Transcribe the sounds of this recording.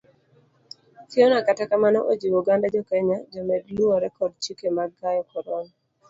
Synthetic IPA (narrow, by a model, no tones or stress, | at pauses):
tiɔnakatakamanɔʔod͡ʒiwuɡandad͡ʒɔkɛɲad͡ʒɔmɛdluɔɾɛkɔd̚t͡ʃikemaɡajɔkɔɾɔŋ